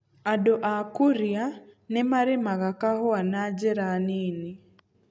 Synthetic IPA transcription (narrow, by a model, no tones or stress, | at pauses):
adɔʔakuɾjanɛmaɾɛmaɣakaɦɔanad͡ʒɛɾanini